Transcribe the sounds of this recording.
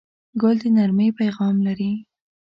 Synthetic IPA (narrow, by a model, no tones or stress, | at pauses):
ɡʊld̪ənaɾməjpajɣɑmlaɾi